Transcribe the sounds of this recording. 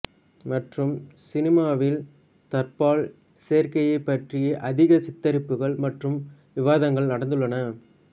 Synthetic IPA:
mɐʈrɯmsɪnɪmaːʋɪl | t̪ɐrpaːɭ | seːɾkɐjɐɪpːɐʈrɪjɐʔɐðɪɣɐsɪt̪ːɐɾɪpːɯɣɐɭmɐʈrɯm | ʋɪʋaːðɐŋɡɐɭnɐɽɐnd̪ɯɭːɐnɐ

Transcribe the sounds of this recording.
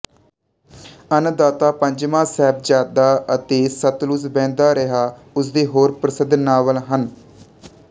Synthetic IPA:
ənd̪aːt̪aːpəɲd͡ʒmãːsɛːb̚d͡ʒaːd̪aːət̪eːsət̪lʊsbɛ̃ːnd̪aːɾəɦaː | ʊs̬d̪eːɦoːɾpɾəsɪd̪naːʋəlɦən

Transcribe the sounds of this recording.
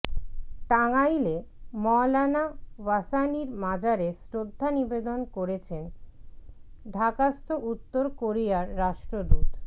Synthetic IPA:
ʈaŋajlemɔlanabasaniɾmad͡ʑaɾesɾod̪ʱːanibed̪onkoɾet͡ɕʰen | ɖʱakast̪ʰoʔut̪ːoɾkoɾijaɾːaʃʈɾod̪ut̪

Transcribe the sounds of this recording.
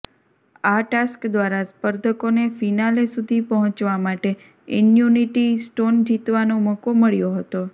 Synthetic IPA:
aʈaskd̪ʋaɾaspəɾd̪ʱəkonefinalesud̪ʱipəɦɔ̃t͡ʃʋamaʈe | ḭnjuniʈisʈond͡ʒit̪ʋanoməkoməɭjoɦət̪o

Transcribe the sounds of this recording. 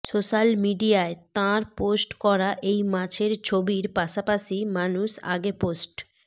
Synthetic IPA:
soʃalmiɖiaet̪ãɾposʈkɔɾaʔejmãt͡ɕʰeɾt͡ɕʰobiɾpaʃapaʃimanuʃa̰ɡeposʈ

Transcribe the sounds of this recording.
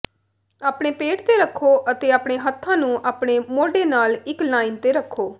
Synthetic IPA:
aːpɽeːpeːʈt̪eːɾəkʰːoːʔət̪eːaːpɳeːɦət̪ʰːãːnũːʔaːpɳeːmoːɖeːnaːlɪklaːint̪eːɾəkʰːoː

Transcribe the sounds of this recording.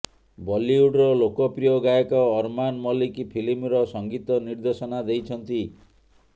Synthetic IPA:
bɔliuɖɾɔlokɔpɾijɔɡajɔkɔːɾmanmɔlikipʰilimɾɔsɔŋɡit̪ɔniɾd̪esɔnad̪ejt͡ʃʰɔnt̪i

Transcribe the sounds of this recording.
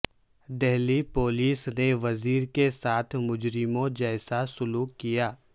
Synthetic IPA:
d̪ɛɦlipoːliːsneʋɐziːɾkesaːt̪ʰmʊd͡ʒɾɪmõd͡ʒɛːsasʊluːkːijaː

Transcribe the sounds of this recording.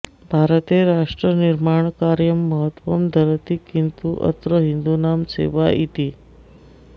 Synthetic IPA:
bʱaɾət̪eɾaʂʈɾəniɾmaɳkaɾjəmːəɦət̪ʋəmd̪ʱəɾt̪ikːint̪uʔə̰t̪ɾəɦind̪unamsḛʋaʔit̪iː

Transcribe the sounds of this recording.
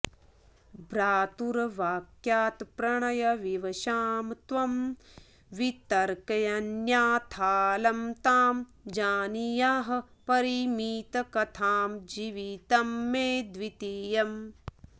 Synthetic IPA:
bɾaːt̪uɾɐʋaːkjaːt̪pɾɐɳɐjɐʋiʋɐʃaːmt̪ʋɐm | ʋit̪ɐɾkɐjɐnjaːt̪ʰaːlɐmt̪aːmd͡ʒaːnijaːɦɐ | pɐɾimiːt̪ɐkɐt̪ʰaːmd͡ʒiʋit̪ɐmːeːd̪ʋit̪ijɐm

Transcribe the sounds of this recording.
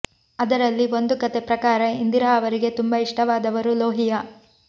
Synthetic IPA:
ɐd̪ɐɾɐlːiʋo̞nd̪ukɐt̪epɾɐkaːɾɐind̪iɾaːɐʋɐɾiɡe̞t̪umbɐiʂʈɐʋaːd̪ɐʋɐɾuloːɦijɐ

